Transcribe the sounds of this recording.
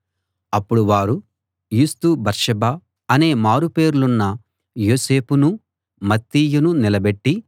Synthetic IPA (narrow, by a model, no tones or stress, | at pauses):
ɐpːuɽuʋaːɾu | juːst̪ubɐɾʂɐbaː | ɐne̞ːmaːɾupe̞ːɾulunːɐ | joːse̞ːpunu | mɐt̪ːiːjununilɐbe̞ʈːi